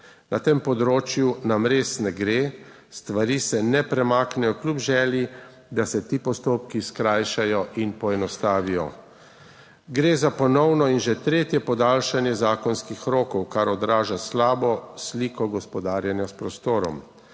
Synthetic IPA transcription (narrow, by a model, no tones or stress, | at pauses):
nat̪eːmpɔd̪ɾoːt͡ʃjunamɾeːsnɛɡɾeː | st̪ʋaɾiːsɛnɛpɾɛmaːknɛjɔklʲupʒɛːlji | d̪asɛt̪iːpɔst̪oːpkiskɾaːjʃajɔʔinpɔɛnɔst̪aːʋijɔ̰ | ɡɾeːzapɔnɔwnɔinʒɛt̪ɾeːt̪jɛpɔd̪aːlʃanjɛzaːkɔnskixɾoːkɔwkaɾɔd̪ɾaːʒaslaːbɔsliːkɔɡɔspɔd̪aːɾjanjaspɾɔst̪oːɾɔ̰m